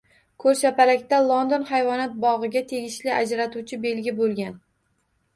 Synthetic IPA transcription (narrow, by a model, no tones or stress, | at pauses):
kʰɵɾʃapalakʲt̪alˠond̪onhajvɒnat̪̚bɒʁɨɡʲat̪ʰe̞ɡʲɪʃlɪad͡ʒɾat̪ʰut͡ʃʰɪbe̞lɡʲɪbolˠɡʲan